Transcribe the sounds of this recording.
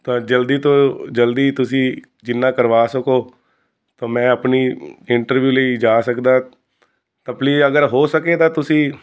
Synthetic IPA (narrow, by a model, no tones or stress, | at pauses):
t̪ãːd͡ʒəld̪iːt̪õːd͡ʒəld̪iːt̪ʊsĩː | d͡ʒɪnːãːkəɾʋaːsəkoː | t̪ãːmɛ̃ːəpniːɪɳʈəɾʋjuːləid͡ʒaːsəkd̪aː | t̪ãːpliːəɡəɾɦoːsəkeːt̪ãːt̪ʊsĩː